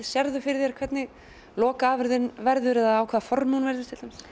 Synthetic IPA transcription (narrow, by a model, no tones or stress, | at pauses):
sjɛɾðʏfɪɾɪðjɛɾkʰvɛt̪nɪ | lɔːkaaːvɪɾðɪnvɛɾðʏɾɛðaaːwkʰvaːðfɔɾmunvɛɾðɪst̪ʰɪlʏm